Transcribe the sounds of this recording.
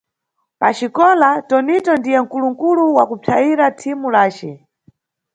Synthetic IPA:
pat͡ʃikɔlatɔnitɔndijɛŋ̩kuluŋ̩kuluwakupʰaiɾatʰimulaːt͡ʃɛ

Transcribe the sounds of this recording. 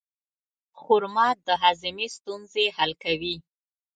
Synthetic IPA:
xʊɾmɑt̪̚d̪əɦɑzɪmest̪unzehalkawi

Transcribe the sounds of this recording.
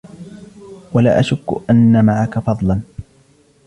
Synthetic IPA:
wala̰ːʔaʃʊkːʔanːamaʕakafɑðˤlɑn

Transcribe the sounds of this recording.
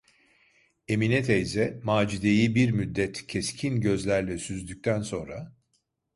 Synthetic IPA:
eminɛt̪ʰejzɛmaːd͡ʒid̪ejibiɾmyd̪ːɛt̪cʰescʰinɟø̞zlʲæɾlʲɛsyzd̪yc̚ʲt̪ʰænso̞nɾa

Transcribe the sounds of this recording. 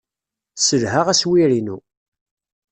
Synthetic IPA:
səlɦaʁæswiɾinṵ

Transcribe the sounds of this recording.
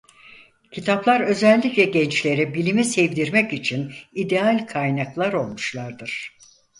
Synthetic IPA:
cʰit̪ʰaplˠaɾø̞zɛlʲːiclʲɛɟɛnt͡ʃlʲe̞ɾibilʲimisɛvd̪iɾmɛcit͡ʃʰinid̪ealʲkʰajnaklˠaɾo̞lˠmuʃlˠaɾd̪ɯɾ̥

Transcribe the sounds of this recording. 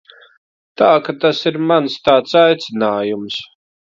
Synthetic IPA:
t̪aːkat̪asiɾmanst̪aːt̪sajt̪sɪnaːjums

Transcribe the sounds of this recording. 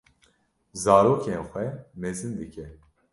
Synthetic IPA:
zaːɾoːkenxʷwɛmɛzɨnd̪ɨkʰɛ

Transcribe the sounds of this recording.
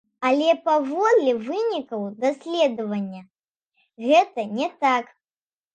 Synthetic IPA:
alʲɛpavɔd̪lʲɛvɨnʲikɐwd̪asʲlʲɛd̪ɐvɐnʲːɐ | ɣɛt̪ɐnʲɛt̪ak

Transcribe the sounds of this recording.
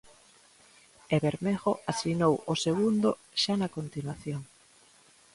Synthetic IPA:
eβeɾmeɣoasinowoseɣund̪o | ʃanakont̪inwaθjoŋ

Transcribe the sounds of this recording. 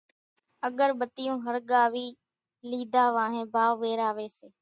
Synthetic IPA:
əɠəɾɓət̪ɪjõːɦəɾɠaːʋiː | liːd̪aːʋãːɦẽːbʱaːʋʋeːɾaːʋeːseː

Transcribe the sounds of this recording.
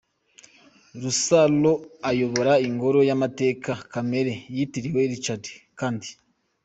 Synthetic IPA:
ɾusalo̞ajo̞βo̞ɾaiŋɡo̞ɾo̞jamate̞ːkakame̞ɾe̞jitiɾiwe̞ɾit͡ʃate̥kaːndi

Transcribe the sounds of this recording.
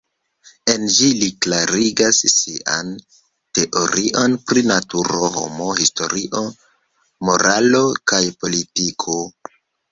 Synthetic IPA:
e̞nd͡ʒiliklaɾiɡasːiʔa̰n | te̞ʔo̞ɾiʔo̞npɾinatuɾo̞ɦo̞̰mo̞histo̞̰ɾiʔo̞ | mo̞ɾalo̞kajpo̞litikʰo̞

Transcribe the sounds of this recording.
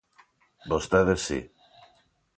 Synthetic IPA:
bost̪eðesːḭ

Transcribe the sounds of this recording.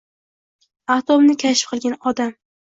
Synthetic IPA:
aht̪omnɪkʲʰaʃɪ̥p̚qʰɨlˠɡʲanɒd̪am

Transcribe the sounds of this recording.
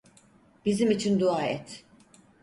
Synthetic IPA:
b̥izimit͡ʃʰind̪uaːɛt̪

